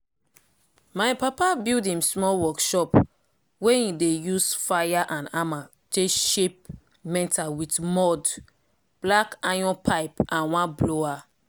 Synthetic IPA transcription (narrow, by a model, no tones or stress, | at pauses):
majpapabildĩmsmɔlwɔkʃɔp | weĩdejusfajaʔãnama | teʃep̚ | mɛ̃ntawitmɔd | b̥lakajɔ̃npʰaɪpãnwãnbloa